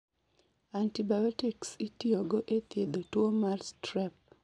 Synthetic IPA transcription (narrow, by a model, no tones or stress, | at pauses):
antibajɔtiksitiɔɡoʔet̪jed̪otwomarstɾɛp̚